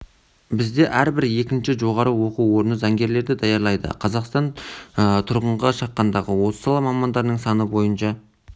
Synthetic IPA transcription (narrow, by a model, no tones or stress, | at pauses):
bɪzd̪e̞ʔæɾbɪɾe̞kʲɪnʃɪʒo̞ʁɑɾəwo̞quwo̞ɾnəzɑŋɡʲe̞ɾle̞ɾd̪ɪd̪ɑjɑɾlˠɑjd̪ə̰qʰɑzɑqst̪ɑnət̪ʰʊɾʁəɴʁɑʃɑqːɑnd̪ɑʁəwo̞sə̥sɑlˠɑmɑmɑnd̪ɑɾnəɴsɑnəbo̞jənʃɑ